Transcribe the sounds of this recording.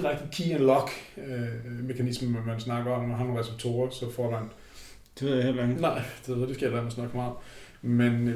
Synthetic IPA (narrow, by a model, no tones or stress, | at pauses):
ʁaɡ̥̚d̥i̥kʰḭenlɒɡ̥ | me̝kʰænisməmænsnɑ̈ɡ̥ɐɒ̽mnɒhɑnonʁɛseb̥̚t͡sʰo̝ːɐsɒ̽fɒ̰d̥æn | d̥eʋe̝ð̰ˠjḛlʁeŋ̩nɑ̈ɪ̰d̥eed̥esɡ̥ælæɐmæsnɑ̈ɡ̥mɑ̈ːð̩ˠ | men